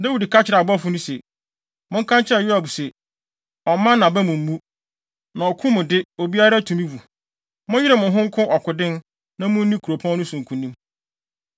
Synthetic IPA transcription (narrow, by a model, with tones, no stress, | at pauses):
nɛ˦wu˨di˨kʰa˦t͡ɕʰɪ˨ɾa˨bɔ˦fʊ˦nʊ̃˦se˨ | mʊ̃˦ŋ̩˦kʰã˦ɲt͡ɕʰɪ˦ɛ˨jʊ˦a˨bu˨se˨ | ɔ˨˦mã˦nã˨bɛ˦mʊ̃˨m̩˦mũ˦ | nã˨ɔ˨kʰʊ̃˦mʊ̃˨dɪ˦o˨bi˦a˦ɾa˦tʰũ˨mĩ˦wu˨ | mʊ̃˦jɪ˦ɾɛ˦˨mʊ̃˨ɦʊ̃˦ŋ̩˦kʰʊ̃˦ʔɔ˨kʰʊ˨dɪ̃˦n | nã˦mʊ̃˦n̩˦nĩ˦kʰu˨ɾo˨pʰã˦nʊ̃˦sũ˨ŋ̩˨kʰũ˨nĩ˦m